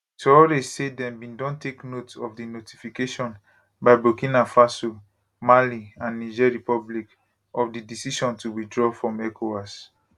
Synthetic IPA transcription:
tɔdesedɛ̃mbĩndɔ̃ntʰeknotɔfdinoti̥fikeʃɔ̃n | baɪbokĩnafaso | maliãnːid͡ʒɛɹipɔblik | ɔfdidisiʃɔ̃ntuwidɹɔfɹɔ̃mɛkʰoas

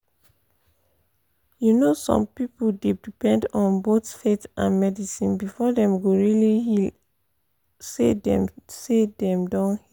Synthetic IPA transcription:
junosɔ̰̃mpipodedipɛ̃ndɔ̃nbotfetã̰nmɛdisĩnbifɔdɛ̃mɡoɹilihi | sedɛ̰̃msedɛ̃mdɔ̃nhi

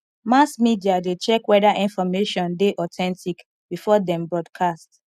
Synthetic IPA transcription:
masmidiadet͡ʃɛkwɛdaʔĩnfɔmeʃɔ̃ndeʔɔtʰɛ̃ntʰik | bifɔdɛ̃mbɹɔdkʰast

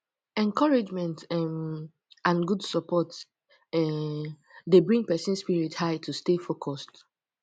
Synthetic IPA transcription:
ɛ̃nkɔɹɪd͡ʒmɛ̃ntɛm | ãnɡudsɔpʰɔt | ɛ | debɹĩŋpɛsɛ̃nspiɹithaɪtʰustefokʰɔst

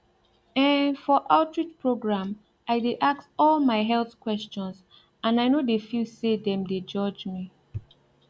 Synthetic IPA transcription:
ɛ̃fɔʔaʊtɹit͡ʃpʰɹoɡɹãm | aɪdeʔaksɔlmaɪɦɛlθkwɛst͡ʃɔ̃ns | ãnaɪnodefusedɛ̃mded͡ʒɔd͡ʒmi

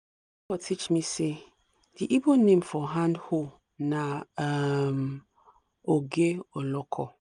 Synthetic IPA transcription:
ifɔtʰit͡ʃmĩse | diʔibonẽmfɔɦãndhol | nã | m | oɡeɔlɔkʰɔ

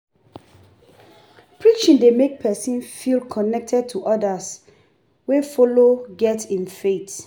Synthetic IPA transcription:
pʰɹikt͡ʃɔ̃ndemek̚pʰɛsĩnfilkʰɔnɛk̚tʰɛd̚tʰuʔɔdas | wefoloɡɛtĩnfet

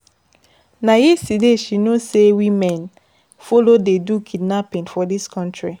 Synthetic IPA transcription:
najisideʃinosewĩmɛ̃n | folodedukʰidnapĩnfɔdiskʰɔ̃ntɹi

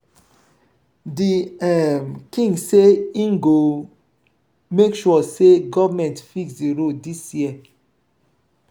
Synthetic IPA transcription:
diɛmkĩŋɡseĩŋɡo | mekʃuɔseɡɔvəmɛ̃ntfiksdiɹoldisjiə

